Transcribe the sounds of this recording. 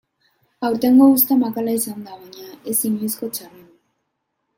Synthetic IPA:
awɾt̪eŋɡo̞ɣus̬t̪emakalaisand̪aβaɲaesinlisko̞t͡ʃari

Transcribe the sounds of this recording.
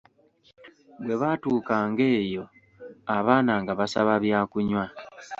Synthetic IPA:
βwe̞βatuːkaːŋɡe̞ːjo̞ | aβaːnaŋɡaβasa̰βaβjaːkuɲwa

